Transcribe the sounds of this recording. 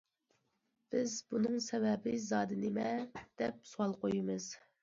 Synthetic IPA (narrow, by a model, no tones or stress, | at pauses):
b̥ɪzbunɨŋsɛvɛbɪzɑːd̪ɨnɪmɛd̪̥ɛp̚suwɑlˠqojimɨz̥